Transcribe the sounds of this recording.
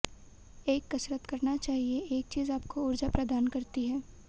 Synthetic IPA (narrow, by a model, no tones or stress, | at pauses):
eːkːɐsɾət̪kɐɾnat͡ʃaːɦieeːk̚t͡ʃiːzaːp̚koʊɾd͡ʒapɾɐd̪aːnkɐɾt̪iɦɛː